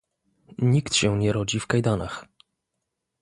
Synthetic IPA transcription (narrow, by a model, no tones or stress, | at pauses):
ɲikt̪ɕɛ̃ɲɛɾɔd͡ʑifkajd̪anax